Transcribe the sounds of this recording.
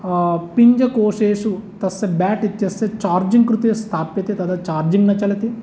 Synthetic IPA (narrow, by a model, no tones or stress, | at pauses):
piɲd͡ʒɐkoːʂeːʂut̪ɐsːɐbaːʈit̪jɐsːɐt͡ʃaːɾd͡ʒiŋɡkɾut̪ist̪ʰaːpjɐt̪it̪ɐd̪ɐt͡ʃaːɾd͡ʒiŋɡnɐt͡ʃɐlɐt̪i